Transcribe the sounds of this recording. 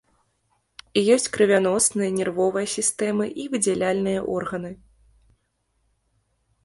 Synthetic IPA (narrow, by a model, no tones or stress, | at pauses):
ijɔsʲt͡sʲkɾɨvʲanɔsnɨjɐnʲɛrvɔvɐjɐsʲist̪ɛmɨʔivɨd͡zʲɛlʲalʲnɨjɐʔɔrɣɐnɨ